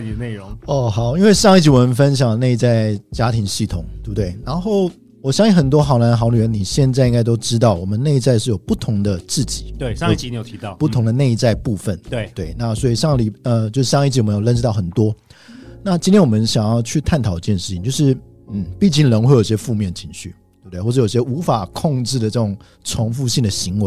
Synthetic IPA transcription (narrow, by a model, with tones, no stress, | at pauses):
ne˥˩ɻʊ˧˦ŋɔ˥˩xɑ˨˩˦ʊi˥nwe˥˧ɪʂɑ˥˧ŋi˥˩t͡ɕi˨˥wɔ˨˩mə˧˦nfə˦nɕ̬jɑ˨˩ŋne˥˧t͡sa˥˩ɪt͡ɕja˥t̪ʰi˧˥ŋɕi˥˩t̪ʰʊ˨˩˦ŋt̪e˥˩bt̪we˥˩ɪɻa˧˥nxo˥˩ʊ | wɔ˨˩ɕjɑ˥ŋɕi˥˩xə˩nt̪̬wɔ˥xɑ˧˥na˧˥n˧xɑ˧˥ʊny˨˩ə˧˦ni˨˩ɕjɛ˥˧nt͡sa˥˧ɪi˥ŋɡa˥ɪt̪o˥ʊʈ͡ʂɻ̩˥t̪̬ɑ˥˩ʊwɔ˨˩mə˦nne˥˧ɪ˥t͡sa˥˧ɪʂɻ̩˥˩jo˨˩pu˥˩t̪ʰʊ˧˥ŋd̪ə˧t͡sɹ̩˥˩t͡ɕi̥˨˩˦e˥˧˥jo˨˩i˧˥˨pu˥˩t̪ʰʊ˧˥ŋd̪ə˨ne˥˧t͡sa˥˧ɪpu˥˧fə˨˩nt̪e˥˩t̪we˥˩ɪna˥˩swɔ˧˥i˨˩ʂɑ˥˧ŋli˨˩ə˧t͡ɕjo˥˧ʊʂɻ̩˥˧ɕɑ˥ŋi˥˧t͡ɕ̬i˨˩wə˧˦jo˨˩lə˥˧nʈ͡ʂɻ̩˥t̪ɑ˥˩ʊxə˨˩nt̪wɔ˦˥na˥˨t͡ɕi˥nt̪ʰjɛ˥nwɔ˨˩mə˦nɕjɑ˨˩ŋjɑ˥ʊt͡ɕʰy˥˧t̪ʰa˥˩nt̪ʰɑ˨˩ʊi˧˩t͡ɕjɛ˥˧nʂɻ̩˥˩t͡ɕi˨ŋt͡ɕo˥˧ʊʂɻ̩˥˧˩ | n̩˥˩pi˥˧t͡ɕi˥˩ŋlə˧˥ŋxwe˥˩˧jo˨˩i˩ɕjɛ˥fu˥˧mjɛ˥˩ndə˩t͡ɕʰi˧˥ŋɕy˥˩ | t̪̚t̪xwʂjo˨˩i˧˩ɕjɛ˥u˧˥fa˨˩kʰo˥˧ŋʈ͡ʂɻ̩˥˩d̪ə˩ʈ͡ʂɤ˥˩ʈ͡ʂʊ˨˩ŋ | ʈ͡ʂʰʊ˧˥ŋfu˥˧ɕi˥˩ŋd̪ə˩ɕi˧˥ŋwe˧˦